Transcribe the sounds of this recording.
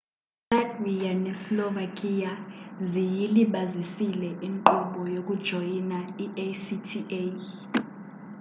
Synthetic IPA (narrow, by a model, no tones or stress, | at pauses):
sadwijanɛsilɔvakʼijazijiliɓazisilɛʔiŋǃɔɓɔjok̬ʼud̥ʒ̥ʱojinaiesitʰiʔe